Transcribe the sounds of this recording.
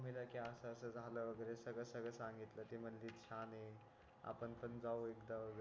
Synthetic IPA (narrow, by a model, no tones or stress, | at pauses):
m̤ilakiasəːsəd͡zʱaləʋəɡəɾesəɡɭəsəɡɭəsãŋɡit̪lət̪im̤ənlit̪t͡ɕʰane | a̰pənpənd͡zawekd̪aʋəɡə